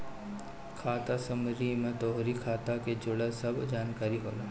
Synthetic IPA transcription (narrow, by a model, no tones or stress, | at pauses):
kʰaːt̪asɐmɾimẽt̪oːɦɾikʰaːt̪aked͡ʒʊɽəsɐbd͡ʒaːnkaːɾiɦo̰ːlaː